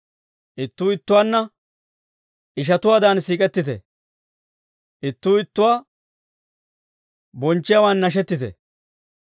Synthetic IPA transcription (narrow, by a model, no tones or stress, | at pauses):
ʔɪt̪ːuːɪt̪ːʊwaːnːɐ | ʔɪʃ̬ɐt̪ʊwaːd̪aːnsiːkʼɛt̪ːɪt̪ɛ̰ | ʔɪt̪ːuːɪt̪ːʊwaː | bɔnt͡ʃːɪjawaːnːɐʃ̬ɛt̪ːɪt̪ɛ̰